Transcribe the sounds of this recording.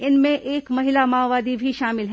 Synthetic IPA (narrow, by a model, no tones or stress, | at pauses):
ɪnmẽʔeːkmɐɦɪlamaːʋaːd̪ibʱiʃaːmɪlɦɛ